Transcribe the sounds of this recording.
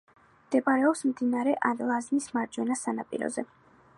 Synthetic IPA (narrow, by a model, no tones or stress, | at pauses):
md̪̥ɛpʼaɾɛɔpsmd̪inaɾɛʔanlˠaznismaɾd͡ʒwɛnasanapʼḭɾɔ̰zɛ